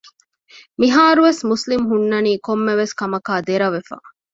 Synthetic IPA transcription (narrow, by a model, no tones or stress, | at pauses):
miɦaːɾuʋesmuslimɦunːɐniːkomːeʋeskɐmɐkaːd̪eɾɐʋefa̰ː